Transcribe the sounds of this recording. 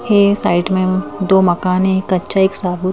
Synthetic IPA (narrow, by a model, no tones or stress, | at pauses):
esaːɪʈmẽd̪oːmɐkaːnẽkɐtːʃaeːksaːbu